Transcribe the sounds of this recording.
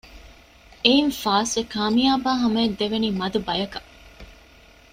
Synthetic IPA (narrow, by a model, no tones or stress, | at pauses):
einfaːsʋekaːmijaːbaːɦɐmɐːd̪ːeʋeniːmɐd̪ubɐjɐkɐ